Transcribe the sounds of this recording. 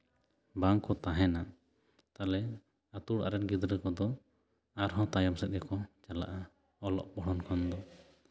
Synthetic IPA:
baŋkɔt̪aɦɛna | t̪alɛ | at̪uɽa̰ɾɛnɡid̪ɾəkɔd̪ɔ | aɾɦɔ̃t̪ajɔmsɛt̪̚ɡɛkɔt͡ʃala̰ʔa | ɔlɔ̰p̚bɔɽɔnkʰɔnd̪ɔ

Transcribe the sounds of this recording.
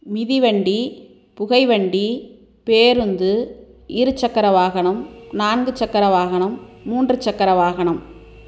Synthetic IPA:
mɪðiʋɐɳɖi | pʊɣɐɪʋɐɳɖi | peːɾɯnd̪ɯɪɾɯt͡ʃːɐkːɐɾɐʋaːɣɐɳɐmnaːnɡɯt͡ʃːɐkːɐɾɐʋaːɣɐɳɐmːuːndrɯt͡ʃːɐkːɐɾɐʋaːɣɐɳɐm

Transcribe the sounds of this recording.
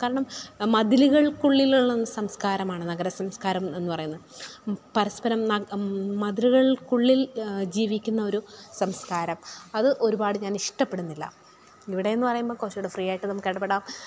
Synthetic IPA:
kaːɾɐɳɐmmɐd̪iluɣɐɭkuɭːiluɭːenːɨsɐmskaːɾɐmaːɳɨnɐɡɐɾɐsɐmskaːɾɐme̞nːɨpɐrɐjunːɐðɨpɐɾɐspɐɾɐmnɐmɐd̪iluɣɐɭkuɭːild͡ʑiːʋikʲːunːɐo̞ɾusɐmskaːɾɐmɐðɨʔo̞ɾubaːɽɨɲaːniʂʈɐpːe̞ɽunːilːɐ̰ | iʋiɽe̞jenːɨpɐrɐjumboːkoːt͡ɕːeuɽefrijaːjʈːɨnɐmːukːeɽɐpːeɽaːm

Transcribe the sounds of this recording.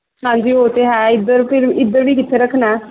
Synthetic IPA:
ɦãːnd͡ʒiːɦoːt̪eːɦɛːɪd̪əɾpʰɪɾɪd̪əɾbiːkɪt̪ʰːeːɾəkʰnɛː

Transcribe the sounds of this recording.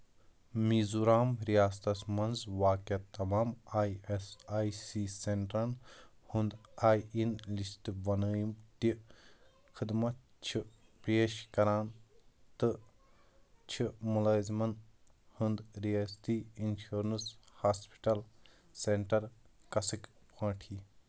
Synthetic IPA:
miːzuɾaːmɾijaːst̪ɐsmɐnzʋaːkɐt̪ːɐmaːmaːjesaːjsiːseɳʈɾɐnhund̪aːjinlisʈʋɐnəːjmt̪i | kʰɨd̪mɐt̪ | t͡ʃʰipɾjeːʃkɐɾaːnt̪ɨ | t͡ʃʰimulaːzmɐn | hund̪ɾijaːst̪iinʃoːɾnɨshaːspi̥ʈɐl | seɳʈɐɾkɐsikpãːʈʰiː

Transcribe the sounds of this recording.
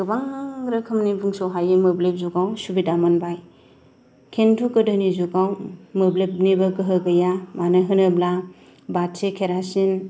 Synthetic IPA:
ɡ̥ɯbaŋaŋɾɯkʰɯmnibuŋsowɦajɯmɯblep̚zuɡawsubidamanbaj | kʰentʰukɯdɯnizuɡawmɯblep̚nibɯɡɯɦɯɡɯjamanɯɦɯnɯbla | batsekʰeɾasin

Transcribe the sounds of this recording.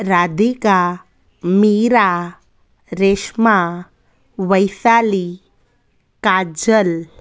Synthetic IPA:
ɾad̪ika | miɾa | ɾeʃma | ʋəjsali | kad͡ʒəl

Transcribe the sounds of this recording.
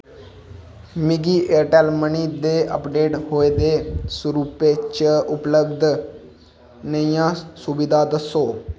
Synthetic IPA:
miɡiʔeɾʈɛːlməɳid̪eəpɖeːʈhoːed̪esuɾupet͡ɕəʊpləbd̪ʱ | nəjãsuʋid̪ʱad̪əso

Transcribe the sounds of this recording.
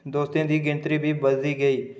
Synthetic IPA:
d̪oːst̪ẽːd̪iːɡɪ̃nt̪ɾiːbʱiːbəzd̪iːɡəiː

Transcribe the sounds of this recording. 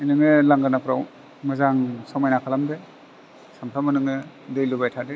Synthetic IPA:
inɯŋɯlaŋɡanapɾaw | mazaŋsawmajnakʰalambe | sampʰɾamɯnɯŋɯ | dɯjlubajtʰade

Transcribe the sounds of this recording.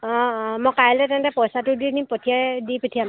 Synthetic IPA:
ɔmɔkalɛtɛntɛpɔjsatudinimpɔtʰijajdipɔtʰiam

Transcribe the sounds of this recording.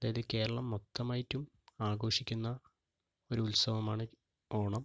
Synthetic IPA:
ɐðaːjɐðɨke̞ːɾɐɭɐmːot̪ːɐmaːjitːum | aːɡo̞ːʂikʲːunːɐ | o̞ɾuulsɐʋɐmaːɳɨ | o̞ːɳɐm

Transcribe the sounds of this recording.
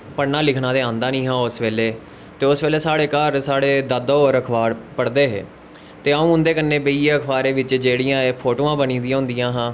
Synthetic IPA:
pənaːlɪkʰɳãːd̪eːãːnd̪aːnĩːɦãːʊsʋeːleː | t̪eːʊsʋeːleːsaːɽeːkəɾsaːɽeːd̪əd̪oːɾəkʰʋaːɽpəɽd̪eːɦḛː | t̪eːaːũːʊnd̪eːkənːeːbəiːeːəkʰʋaːɾeːʋɪt͡ʃd͡ʒeːɽɪjãːeːpʰoːʈoːãːbəniːd̪iãːɦʊ̃nd̪ɪjãːɦãː

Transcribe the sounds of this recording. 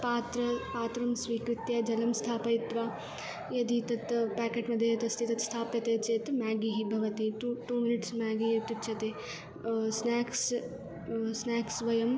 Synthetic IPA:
paːt̪ɾɐpaːt̪ɾɐmsʋiːkɾɪt̪jɐd͡ʒɐlɐmst̪ʰaːpɐit̪ʋaː | jɐd̪it̪ɐt̪paːkeːʈmɐd̪ʱjɐjɐt̪ɐst̪ʰit̪ɐt̪st̪ʰaːpjɐt̪eːt͡ʃeːt̪maːɡiɦibʱɐʋɐt̪iʈuʈuːminiʈsmaːɡiɦit̪it̪ːt͡ʃʰɐt̪eː | snaːks | snaːksʋɐjɐm

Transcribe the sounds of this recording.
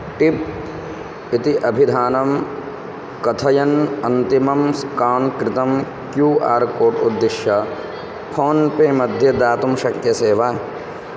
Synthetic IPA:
ʈip̚ | it̪iʔɐbʱid̪ʱaːnɐm | kɐt̪ʰɐjɐnɐnt̪imɐmskaːnkɾɪt̪ɐm | kjuːaːɾkoːʈṵd̪ːɪʃjɐ | pʰoːnpeːmɐd̪ʱjɐd̪aːt̪umʃɐk̚t̪jɐseːʋaː

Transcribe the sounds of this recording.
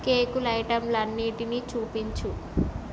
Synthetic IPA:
keːkulɐjʈɐmlɐnːiːʈinit͡ʃuːpiɲt͡ʃu

